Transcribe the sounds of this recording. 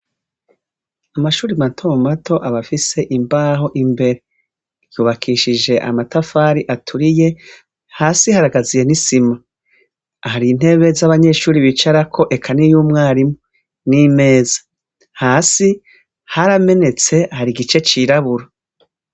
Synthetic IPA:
amaʃuːɾimatʰomatʰo̞ʔaβafise̞ʔimbaːɦo̞ʔimbe̞ɾe̞ | juːβakʰiʃiʒe̞ʔa̰matafaːɾiʔatʰuɾije̞ | haːsihaɾaɡazije̞nisima | haɾiːn̥he̞βe̞zaβaɲe̞ʃuːɾiβit͡ʃaɾakʰo̞ʔe̞kʰanijuːmŋaːɾimoo | nime̞ːzḁ | haːsi | haɾame̞ne̞t͡se̞haɾiɡit͡ʃe̞t͡ʃiɾaβuɾo

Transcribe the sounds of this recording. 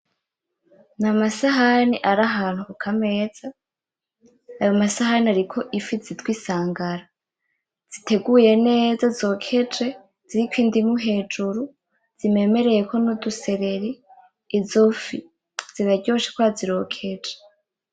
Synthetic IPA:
namasaɦaniʔaɾaɦaːn̥huukʰame̞ːz̥a | jomasahaniaɾikʰo̞ʔifizitɡwiːsaːŋɡaɾa | z̥ite̞ɡuje̞ne̞ːzazo̞ːkʰe̞d͡ʒe̞ | z̥iɾikwiːndimuɦe̞ːd͡ʒuɾu | z̥ime̞me̞ɾe̞je̞ko̞nuduse̞ɾe̞ɾiː | zofi | z̥iβaɟo̞ːʃekwaziɾo̞kʰe̞d͡ʒe̥

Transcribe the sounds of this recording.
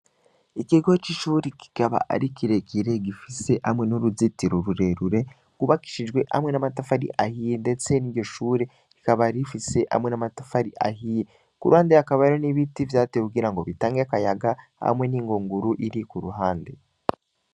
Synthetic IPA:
ikiɡo̞t͡ʃiʃuːɾiki̥kaβa̰ʔa̰ɾikiɾe̞kiɾe̞ɡifise̞ʔamwe̞nuɾuzitiɾoɾuɾe̞ɾuɾe̞ | kuβaki̥ʃid͡ʒɡwe̞ʔa̰mwe̞namatafaɾḭʔahijende̞t͡se̞niːɾɟo̞ʃuːɾe̞ | ikaβaɾifise̞ʔa̰mwe̞namatafaɾiʔa̰ɦije | kuɾuhaːndeakaβaɾoniβitivjaːtekuɡiɾaŋɡo̞βitaːŋɡeakajaɡaha̰mwe̞niːŋɡoːŋɡuɾuʔiɾikuɾuɦaːnde

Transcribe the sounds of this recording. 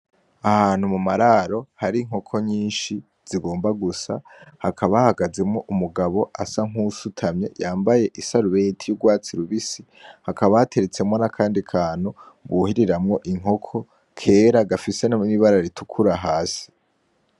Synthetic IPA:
ahaːn̥humumaɾaɾo̞haɾiŋ̥o̞kʰo̞ɲiːnʃi | z̥iɡo̞ːmbaɡusa̰ | hakʰaβahaɡaze̞mŋo̞ʔumuɡaβo̞ʔasaŋ̥usutʰamɲe̞̰jaːmbaje̞ʔisaɾuβe̞tʰijuɡwaːt͡siɾuβisi | hakaβaatʰe̞ɾet͡se̞mŋo̞nakʰaːndikʰaːn̥hu | βuhiɾiɾamŋo̞ʔiŋ̥o̞kʰo̞ | kʰe̞ːɾaɡafise̞naniβaɾaɾitukʰuɾaɦaːsi̥

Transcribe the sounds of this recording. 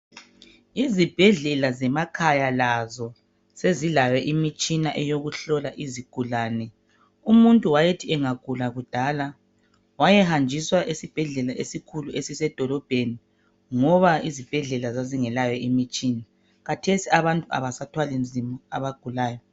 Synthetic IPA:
izib̥ʱɛɮɛlazɛmakʰajalazɔ | sezilawɛʔimit͡ʃʼinaʔɛjoɣuɬɔlaʔiziɡ̥ʱulaːnɛ | umuntʼuwajetʰiɛŋaɡ̥ʱulaɣud̥ʱaːla | wajɛhand͡ʒʱiswaʔesib̥ʱɛɮɛlaʔesikʰuluesisɛd̥ʱɔlɔb̥ʱeni | ŋɔβaizib̥ʱɛɮɛlazaziŋɛlajɛimit͡ʃʼiːna | ɣatʰesiaβantʼua̰βasatʰwalin̩zʱimuaβaɡ̥ʱulaːjɔ

